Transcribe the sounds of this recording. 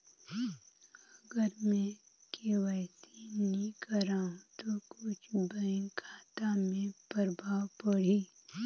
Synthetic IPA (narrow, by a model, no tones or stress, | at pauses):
əɡəɾmẽ | keʋɛːsinĩkəɾaːɦũt̪okʊt͡ʃʰbə̃kʰaːt̪amẽpəɾbʱaːwpəɽiː